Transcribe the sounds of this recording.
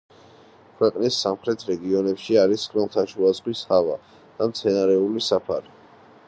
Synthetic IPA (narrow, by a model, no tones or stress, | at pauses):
kʰwɛqʼnisːamχɾɛt̪ʰɾɛɡiɔnɛpʃiaɾiskʼɾɛlˠt̪ʰaʃuazχwishava̰ | d̪̥amt̪sʰɛnaɾɛulisapʰaɾi